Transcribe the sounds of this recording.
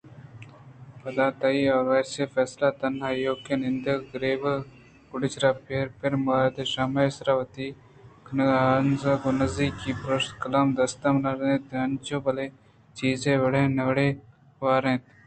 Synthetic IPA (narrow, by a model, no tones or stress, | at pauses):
pɐd̪aːt̪ɐiaːɾʋeːɾsefɛːslaːt̪ɐnɦaːjoːkenɪnd̪əɡɾeːb | kʊɽɪt͡ʃɾaːpeːɾpʰɪɾmaːɾd̪eʃaːmeːɪsɾaʋɐt̪iː | kʰɐnɐɡanzɐɡonɐziːkːipɾoʃkɐlaːmd̪ɐst̪ɐmnɐɾnẽt̪ɐnt͡ʃoːbɐle | t͡ʃiːzẽːbɐɽẽːnɐʋɽeː | ʋaːɾẽːt̪